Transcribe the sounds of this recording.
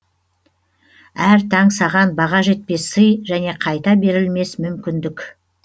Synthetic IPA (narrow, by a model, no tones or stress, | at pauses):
æɾt̪ʰɑɴsɑʁɑnbɑʁɑʒe̞t̪̚pe̞səjʒæne̞qʰɑjt̪ɑbe̞ɾɪlme̞smʏmkʲɪnd̪ɪkʲ